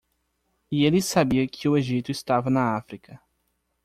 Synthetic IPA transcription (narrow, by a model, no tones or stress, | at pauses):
ielɪsabiɐkʰɪʊeʒit̪ʊist̪avɐnɐafɾikɐ